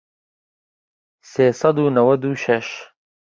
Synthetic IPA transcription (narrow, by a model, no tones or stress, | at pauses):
seːsɑd̪uːnɐwɐd̪uːʃɐʃ